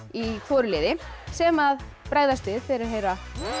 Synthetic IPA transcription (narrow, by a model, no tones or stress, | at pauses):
ifɔːɾɪleːðɪsɛmað | pɾaːɣðast̪ɪðfɪɾɪɾ̥ɦejɾa